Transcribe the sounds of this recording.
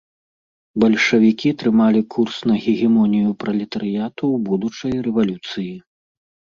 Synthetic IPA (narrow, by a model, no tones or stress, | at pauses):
bɐlʲʂɐvʲikʲit̪ɾɨmalʲikʰursnɐɣʲiɣʲɛmɔnʲijupɾɐlʲɛt̪ɐɾɨjat̪uwbud̪ut͡ʂɐjrɛvalʲut̪sɨji